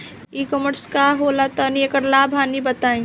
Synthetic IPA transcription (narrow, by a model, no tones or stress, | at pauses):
ikɔməɾskaɦolat̪ɔniekəɾlaːbʱaːnibət̪aːĩ